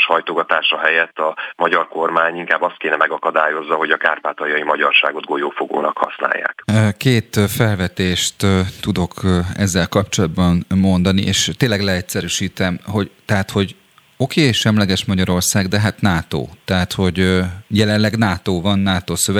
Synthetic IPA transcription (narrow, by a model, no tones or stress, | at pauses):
ʃhɒjt̪oɡɒt̪aːʃɒɦɛjɛt̪ːɒmɒɟɒrko̞rmaːɲiŋkaːbːɒst̪̚keːnɛmɛɡɒkɒd̪aːjo̞zːɒɦo̞ɟɒka̰ːrpaːt̪ɒjɒjimɒɟɒrʃa̰ːɡo̞d̪̚ɡojoːfoɡo̰ːnɒkhɒ̰sna̰ːjːa̰ːkkeːt̪fɛlvɛt̪eːʃt̪t̪ud̪o̞kɛ̰zːɛlkɒp̚t͡ʃo̞lɒd̪bɒnmo̞nd̪ɒnḭʔḛːʃt̪ːeːlːɛɡlɛɛcsɛɾyʃiːt̪ɛmho̞ɟt̪ɛɦat̪ho̞ɟ | o̞keːʃɛmlɛɡɛʃmɒɟɒɾo̞rsaːɡd̪ɛɦat̪naːt̪o̰ːt̪ɛɦat̪ho̞ɟjɛlɛnlɛɡnaːt̪oːvɒnːaːt̪oːsøvɛ